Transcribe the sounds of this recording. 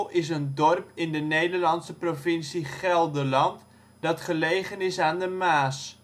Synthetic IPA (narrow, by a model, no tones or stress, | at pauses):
ɪsəndɔrpɪndənejdəɹlɑnsəprofɪnsiχɛlˠdəlɑnt | dɑtχəlejχənɪsaːndəmaːs